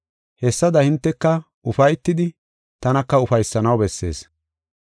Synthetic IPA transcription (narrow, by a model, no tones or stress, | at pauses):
hɛsːɐd̪ɐhɪnt̪ːɛkːɐ | ʔʊfɐjt̪ːɪd̪ɪ | t̪ɐnɐkːɐʊfɐjsːɐnɐwbɛsːe̞̰ːs